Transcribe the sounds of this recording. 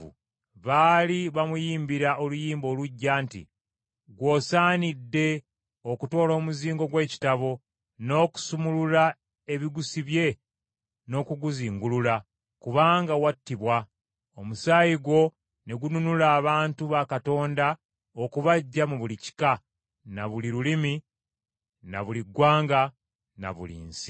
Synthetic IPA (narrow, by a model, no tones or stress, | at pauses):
ṵ | βaːliβamujiːmbiɾaʔo̞lujiːmbo̞ːluɟːaːntḭ | ɡwo̞ːsaːnidːe̞ | o̞kuto̞ːlo̞ːmuziːŋɡo̞ɡwe̞ːci̥taβo̞ | no̞ku̥sumulula | e̞βiɡusiβje̞ | no̞ːkuɡuziːŋɡulula | kuβaːŋɡawatːiβwa | omusaːjiɡwo̞ | ne̞ɡununulaːβaːntuβakato̞ːnda | okuβaɟːamuβulici̥ka | naβuliɾulimi | na̰βuliɡwaːŋɡa | na̰βṵlḭːnsi̥